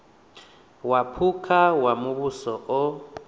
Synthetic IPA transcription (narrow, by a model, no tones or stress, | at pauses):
wapʰukʰawamuβusɔɔ